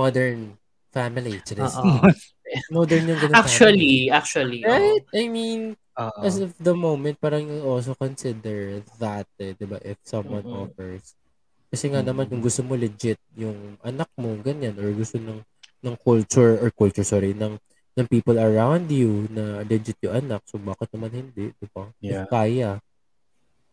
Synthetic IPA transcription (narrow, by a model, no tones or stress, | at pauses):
mɔd̪ɛɹn | famɪlit͡ʃɾɛs | mɔd̪ɛɹnjʊŋɡɐakt͡ʃuɐliak̚t͡ʃuɐliɹat̪ʔɐjmin | ʔɐsɐfd̪ɐmowmɛ̃nt̪̚paːɾɐŋnɐɡols̬okonsɪd̪ɛɹðɐt̪̚ɛd̪ɪbaʔɪfsɐmwɐ̃nʔɔfɛɹs | kɐsɛŋanɐmanjʊŋɡʊst̪omolɛd͡ʒɪt̪̚jʊŋʔɐnak̚mo̞ɡɐɲanʔoɹɡʊst̪onɐŋ | nɐŋkult͡ʃʊɹɔɹkult͡ʃʊɹsɔɹinɐŋ | nɐŋpiːpɐlɐɹawnd̪junɐlɛd͡ʒɪt̪̚jʊʔɐnak̚sobaːkɪt̪nɐmanhɪnd̪ɛʔd̪ɪbaɪkaːjɐ